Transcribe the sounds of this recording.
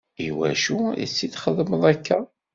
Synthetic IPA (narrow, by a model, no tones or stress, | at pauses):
iwæ̰ʃuḭt͡sːiθχəðˤməðˤækːæ